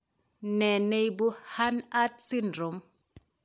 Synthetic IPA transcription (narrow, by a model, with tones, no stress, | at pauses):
nɛ˨ne˨jbu˦ha˦na˦tsi˦ndro˨m